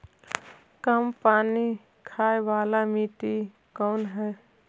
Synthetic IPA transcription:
kəmpaːni | kʰaːeʋaːlamiːt̪i | kɔːnɦɛ

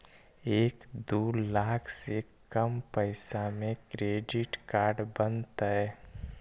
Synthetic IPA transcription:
eːkd̪oːlaːkʰse | kəmpəɪsamẽkɾeːɖɪʈkaːɾɖbənt̪aɦɛ

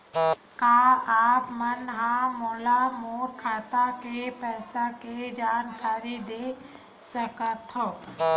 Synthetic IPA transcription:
kaːaːpmənɦãːmoːlamoːɾkʰaːt̪akepɛːsaked͡ʒaːnkʰaːɾid̪eː | səkət̪ʰɦo

